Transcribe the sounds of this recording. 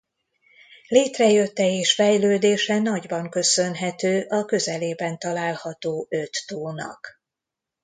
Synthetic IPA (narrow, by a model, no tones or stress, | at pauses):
leːt̪rɛjø̞t̪ːɛeːʃfɛjløːd̪eːʃɛnɒɟbɒŋkø̞sønɦɛt̪øːʔɒkø̞zɛleːbɛnt̪ɒlaːlhɒt̪oːʔø̞t̪ːoːnɒ̰k